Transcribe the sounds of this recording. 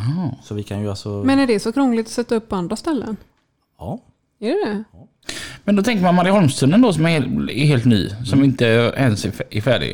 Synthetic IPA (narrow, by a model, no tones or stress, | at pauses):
ɦɑsɔvɪkʰanjəalsɔmɛnæɖɛsɔkʰɾɔŋlɪɡ̚t̪ɔ̥sɛt̪ːaɵpːɔand̪ɾast̪ɛlːə̰n | h | æɖɛd̪ɛ | mɛnd̪ɔt̪ʰɛŋkəɾmanmaɾɪɦɔlmst̪ʰʉːnənd̪ɔsɔmæɾɛɦeːlt̪ny̰ːsɔmɪnt̪əæɾɛnsɛɾfæːɖɪ̰ɡ